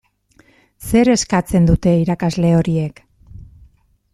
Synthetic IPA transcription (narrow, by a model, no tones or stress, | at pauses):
se̞ɾe̞skat͡se̞nd̪ut̪e̞iɾakazle̞o̞ɾie̞k